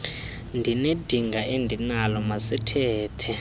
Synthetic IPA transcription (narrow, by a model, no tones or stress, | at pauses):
ndʱined̥ʱiŋɡʱaʔendʱinalɔmasɛtʰɛːtʰɛ